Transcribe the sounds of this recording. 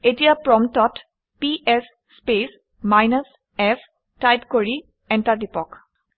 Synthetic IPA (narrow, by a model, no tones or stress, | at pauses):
etiapɹɔmt̪ɔt | piʔesːpes | majnəs | ɛf | tajtkoɹi | ɛɳʈaɾdipɔk